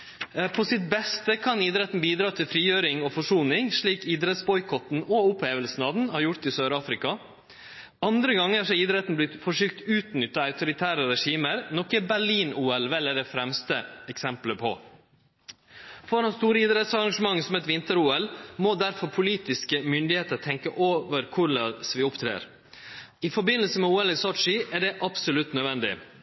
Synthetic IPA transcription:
pʰɔsɪt̪̚bɛst̪əkʰɑniːd̪ɾɛt̪n̩biːd̪ɾɑːt̪ʰɪlfɾiːjøːɾɪŋɔfɔʂuːnɪŋʂɭiːkiːd̪ɾɛt̪sbɔʏkʰɔt̪n̩ɔʊpheːʋəlsn̩ɑʋn̩hɑɾjʊɾt̪ɪsøːɾɑːfɾɪkɑ | ɑnd̪ɾəɡɑŋːəɑʂɛid̪ɾɛt̪nblɪt̪fɔʂyːk̚t̪ʉːt̪nʏt̪ːɑɑʉt̪ʊɾɪt̪ʰæːɾəɾɛʂiːməɾnɔkːəbæɭiːnuːɛlʋɛlɛɖ̪ɛfɾɛmst̪əɛksɛmpləpʰɔ̰ | fɔɾhɑnst̪uːɾəiːd̪ɾɛt̪sɑɾɑŋɡʂəmɑŋːsɔmɛt̪ʋɪnt̪əɾuːɛlmɔd̪æɾfɔɾpʰʊliːt̪ɪskəmʏnd̪ɪheːt̪əɾt̪ʰɛŋkəʔoːʋəɾkʰʊɾɭɑsʋɪʊpt̪ʰɾḛːɾ | ɪfɔɾbɪnːəlsəmɛuːɛlɪsɔʂɪʔæɖɛʔɑpsʊlʉt̪nœʋɛnd̪ɪ̰

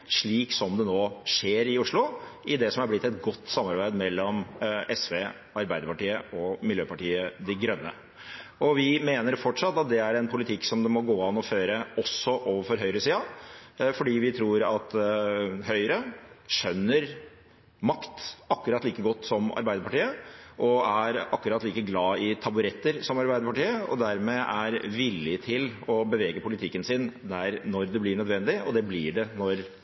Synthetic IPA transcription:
ʂɭiːksɔmd̪ɛnoːʂeːɾɪʊʂɭʊɪd̪ɛsɔmhɑɾblɪt̪ːɛt̪ɡɔt̪ːsɑmɑɾbæɪd̪mɛlːɔmɛsʋeː | ɑɾbæɪd̪əɾpɑʈiːəɔmɪljøːpɑʈiːəd̪ɪɡɾœnːə̰ | ɔʋɪmeːnəɾfɔʈʂɑt̪ːɑt̪̚d̪ɛæɾɛnpʰʊlɪt̪ʰɪksɔmd̪ɛmɔɡoːɑnɔføːɾəɔsːɔʔoːʋəɾfɔɾɦœʏɾəsiːɑfɔɖiːʋɪt̪ʰɾuːɾɑt̪ | hœʏɾəʃœnːəɾ | mɑkt̪ɑkːʉɾɑt̪liːkəɡɔt̪ːsɔmɑ̰ɾbæɪd̪əpʰɑʈiːəʔɔæɾɑkːʉɾɑt̪liːkəɡlɑːɪt̪ʰɑbʉɾɛt̪ːəɾsɔmɑɾbæɪd̪əpɑʈiːəɔ̰d̪æɾmɛʔæɾʋɪlːɪt̪ʰɪlɔbəʋeːɡəpʰʊlɪt̪ʰɪkːənsɪnd̪æɾnɔɾd̪ɛblɪɳœd̪ʋɛnd̪ɪɔ̰d̪ɛblɪɖɛnɔɾ

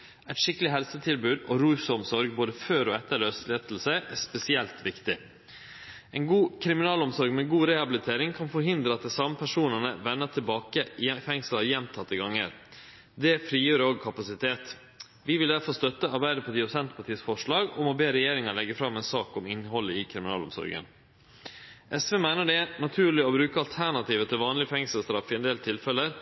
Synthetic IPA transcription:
ʔɛt̪ʃʂɪkəlɪɦɛlsət̪ʰɪlbʉːd̪ɔɾuːsɔmsɔɾɡ̚boːd̪əføːɾɔɛt̪ːəɾɭøst̪leːt̪ʰl̩sɛɪʔæspɛsɪɛlt̪ʋɪkt̪ɪ | ɛɪnɡuːkʰɾɪmɪnɑːlɔmsɔɾɡmɛɡuːɾɛhɑbɪlɪt̪ʰeːɾɪŋkʰɑnfɔɾɦɪnd̪ɾəɑt̪d̪ɛsɑməpʰæʂuːnənəʋɛnːət̪ʰɪlbɑːkəɪfɛŋsləjɛmt̪ʰɑt̪ːəɡɑŋːə̰ɾ | d̪ɛfɾiːjøːɾəɔɡ̚kʰɑpɑsɪt̪ʰeːt̪ | ʋɪʋɪld̪æɾfɔɾst̪œt̪ːəɑɾbæɪd̪əpʰɑt̪iːpɾsɛnt̪̚pʰɑʈʰiːsfɔʂɭɑːɡɔmɔbeːɾɛjeːɾɪŋəɭɛɡəfɾɑmːɛnsɑːkɔmɪnːɦɔlːəɪkʰɾɪmɪnɑ̰ːlɔ̰msɔ̰ɾɡə̰n | ʔɛsʋeːmæɪnəɖɛnɑt̪ʰʉːɭɪɔbɾʉːkəɑlt̪ʰæɳɑt̪ʰiːʋət̪ʰɪlʋɑːnlɪəfɛŋsəlst̪ɾɑfːɪɛnd̪eːlt̪ʰɪlfɛlːəɾ

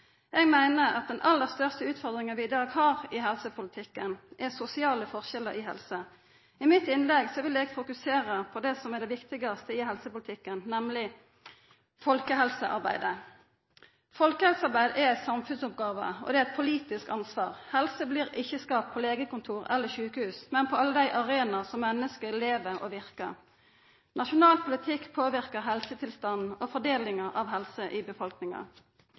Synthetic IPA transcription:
jɛɡmæɪnəɑ̰t̪̚d̪ɛnʔɑlːəʁst̪œʁst̪əʉːt̪fɔʁd̪ɾɪŋənʋɪɪd̪ɑːɡhɑːʁɪɦɛlsəpʰʊlɪt̪ʰɪkːənʔɛsʊsɪɑːləfɔʁʃɛləɾɪɦɛ̰lsə | ɪmɪt̪ɪnlɛɡsɔʋɪlɛɡfʊkʉseːʁəpʰɔd̪ɛsɔmɛʁd̪ɛʋɪkt̪ɪɡɑst̪əɪhɛlsəpʊlɪt̪ʰɪkːənnɛmlɪ | fɔlkəhɛlsəʔɑ̰ʁbæ̰ɪd̪ə | fɔlkəhɛlsəɑɾbæɪd̪əʔɛɛt̪sɑmfʉnsʊp̚ɡɑːʋə̰ɔ̰d̪ɛæɛt̪̚pʰʊliːt̪ɪskɑnsʋɑːʁhɛlsəbliːʁɪçːəskɑːp̚pʰɔleːɡəkʊnt̪ʰuːʁɛ̰lːəʃʉːkəhʉːsmɛnpʰɔɑlːəd̪æɪʔɑʁeːnɑsɔmːɛnːəskəleːʋəʁɔ̰ʋɪʁkəʁ | nɑʃʊnɑːlpʰʊlɪt̪ʰɪkːpʰoːʋɪʁkəɦɛlsət̪ʰɪlst̪ɑn̩ofɔd̪eːlɪŋəʔɑʋɦɛlsəʔɪbəfɔlknɪŋɑ̰

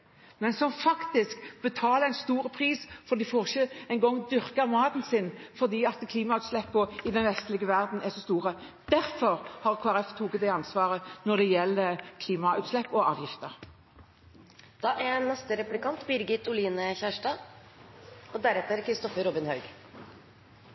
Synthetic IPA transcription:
mɛnsɔmfɑkt̪ɪskb̥ət̪ʰɑːləæɪnst̪uːɾəpʰʁiːsfɔd̪ɪfoːʁçəæɪŋɡɔŋːd̪ʏɾkəʁmɑːd̪nsɪnfɔʁd̪iːɑt̪kʰliːmɑʉːt̪slɛpːɔɪd̪ɛnʋɛst̪lɪɡəʋæʁd̪n̩æsɔst̪uːʁə | d̪̥æɾfɔɾhɑʁkʰoːæʁɛft̪ʰuːɡət̪d̪ɛɑnsʋɑːʁənɔʁd̪ɛjɛlːəkʰliːmɑʉːt̪slɛpːɔɑ̰ːʋjɪft̪əʁ | d̪̥ɑːʔænːɛst̪əɾɛplɪkɑnt̪bɪɾɡɪt̪ːʊliːnəçæːʂʈɑ | ɔd̪æɾɛt̪əɾkʰɾɪst̪ɔfəɾɔbɪnhɑʉɡ

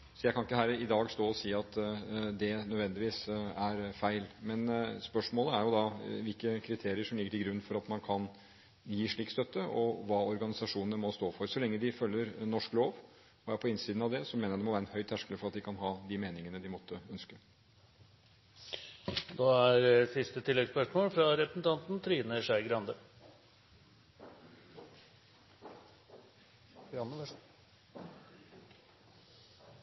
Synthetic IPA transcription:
sɔjæɪkʰɑnɪkːəhæːɾɪd̪ɑːɡst̪oːɔsiːɑt̪d̪ɛnœd̪ʋɛnd̪ɪʋiːsæɾfæɪlmɛnspœʂmoːləæɾjʊd̪ɑʋɪlkəkʰɾɪt̪ʰeːɾɪəʂɔmlɪɡːəʈɪɡɾʉnːfɔɾɑt̪mɑnkʰɑn | jiːʂɭiːkst̪œt̪ːəʔɔʋɑːɔɾɡɑnɪsɑʂuːnnəmɔst̪oːfɔɾsɔlɛŋːəd̪ɪfœlːəɾnɔʂkloːʋ | ɔæpʰɔɪnsiːd̪nɑʋd̪ɛsɔmeːnəɾd̪ɛmɔʋæɾəɛnhœʏt̪ʰhæʂkələfɔɾɑt̪̚d̪ɪkʰɑnɦɑːd̪ɪmeːnɪŋənəd̪ɪmɔt̪ʰːəœnskə | d̪ɑæɾsɪst̪ət̪ʰɪlːɛɡspœʂmoːlfɾɑɾɛpɾəsn̩t̪ɑnt̪n̩t̪ʰɾiːnəʂæɪɡɾɑnd̪ə | n

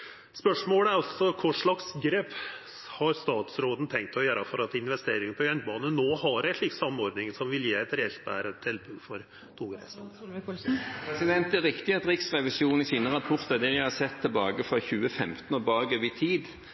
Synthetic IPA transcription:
spœʂmoːləæɾɑlsɔkʰʊʂɭɑksɡɾeːp | hɑɾst̪ɑːt̪sɾoːd̪n̩t̪ʰɛŋk̚t̪ʰɔjøːɾɑfɔɾɑt̪ɪnʋɛst̪eːɾɪŋənpʰɔjœnbɑːnənoːhɑɾɛt̪lɪk̚t̪sɑmːɔɾd̪nɪŋsɔmʋɪljeːɛt̪ɾɛɛlt̪̚bæ̰ːɾət̪ʰɛlbʉɡ̪fɔɾʰ | uːɡɾæ̰s | pʰʁɛsɪd̪ɛnt̪æʁɪkt̪ɪɑt̪ɾɪksʁɛʋɪsuːn̩ɪsiːnəʁɑpʰʊʁt̪əd̪ɛʋɪhɑsɛt̪ʰːəlbɑːɡəfʁɔçʉːəfɛmt̪n̩ɔbɑːɡəʋɪt̪ʰiːd̪

